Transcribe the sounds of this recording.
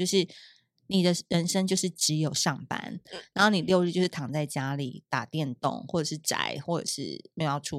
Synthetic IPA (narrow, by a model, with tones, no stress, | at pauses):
jo˥˧ʊʂɻ̩˥˩ | ni˨˩d̪ə˩ɻə˧˦nʂə˥ŋt͡ɕjo˥˧ʊʂɻ̩˥˩ʈ͡ʂɻ̩˧˦jo˨˩ʊʂɑ˥˩ŋpa̰˦nɻa˧˦nxo˥˩ʊni˨˩ljo˥˧ʊɻ̩˥˧jo˥˧ʂ̩˥˩t̪ʰɑ˨˩ŋt͡sa˥˩ɪt͡ɕja˦lḭ˨˩t̪a˨˩t̪jɛ˥˨nt̪o̰˥˨ŋxwɔ˥˩ʈ͡ʂə˨˩ʂɻ̩˥˩ʈ͡ʂa̰˨˩ɪxwɔ˥˩ʈ͡ʂə̰˨˩ʂɻ̩̰˥˩me˥jjɑ˥˧˩u˥